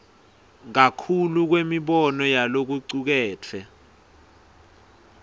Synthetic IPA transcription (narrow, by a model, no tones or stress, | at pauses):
ŋ̬akʰuluk̬wemiɓɔnɔjalok̬uǀuk̬ɛːtʰɛ